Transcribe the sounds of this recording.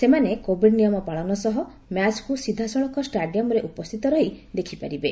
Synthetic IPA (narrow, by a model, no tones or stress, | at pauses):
semanekobʱiɖnijɔmɔpaɭɔnɔsɔɦɔ | mjat͡ʃkusid̪ʱːasɔɭ̃ɔŋkɔsʈaɖijɔmɔɾeʔupɔst̪ʰit̪ɔɾɔɦid̪ekʰipaɾibe